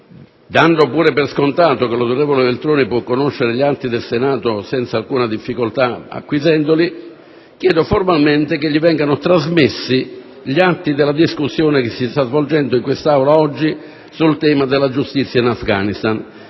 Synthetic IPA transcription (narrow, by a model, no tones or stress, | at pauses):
d̪anɖopuːɾeperskont̪aːt̪okelanoɾɛvolevelt̪ɾoːnipwɔkːonoʃːeɾeʎat̪ːid̪elsenaːt̪osɛnt̪salkuːnad̪ifːikolt̪aa̰kːwizɛnd̪oli | k̟jɛːd̪oformalment̪ɪkeʎːivɛŋɡanʊt̪ɾazmesːi | ʎiat̪ːid̪ɪlːad̪iskusːjoːnekɪsːist̪azvold͡ʒɛnd̪ʊiŋkwest̪awlaɔd͡ʒːi | sult̪ɛːmad̪eɪlːad͡ʒust̪it̪sːjainafɡaːnist̪an